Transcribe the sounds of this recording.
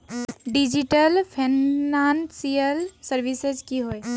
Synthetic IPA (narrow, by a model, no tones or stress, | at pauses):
ɖid͡ʒiʈəlpʰinansiəlsəɾbised͡ʒkiɦoj